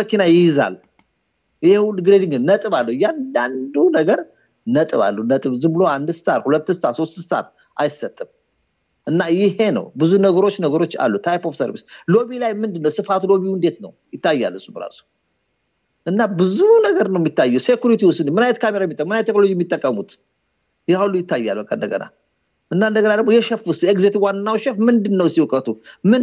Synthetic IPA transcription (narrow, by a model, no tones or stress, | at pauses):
əkinajɪjɪza̰lː | jɪhewdɡɾed̪iŋɡnət̪ʼɨβalːəhjand̪and̪unəɡəɾ | nət̪ʼɨβa̰lːənət̪ʼɨβzɨbɨlo̞and̪sɨ̥t̪ʰaɾhulət̪ːsɨt̪ʰaso̞st̪sɨ̥t̪ʰa̰ɾ | ʔa̰jɪsːət̪ʼːɨm | ʔɨnːajɪhe̞nə̰wbɨzunəɡəɾo̞t͡ʃːnəɡəɾo̞t͡ʃːa̰lːut̪ʰajpo̞fsəɾβḭslo̞βilajmɨnd̪ɨnːəwsɨfat̪lo̞βiwɨnd̪e̞t̪nə̰wjɪt̪ːajːa̰lːɨsubəɾa̰su̥ | ʔɨnːabɨzunəɡəɾnəwmːit̪ʰːajːɛwse̞kʲjuɾit̪iwʊst̪ɨnmɨnajɛt̪kʰameɾajɛmit̪ʼːəkːmɨnajɛt̪ːekno̞lod͡ʒijɛmːit̪ʼːəkʼːəmut̪ | jahulːujɪt̪ːajːalbəkʼa̰nd̪ə̰ɡə̰na̰ | ʔɨnːaɨnd̪əɡənad̪əɡmojɛʃɛfuseɡzet̪ʰewanːawʃɛfmɨnd̪ɨnːəwsiwkʼət̪ʰʼumɨn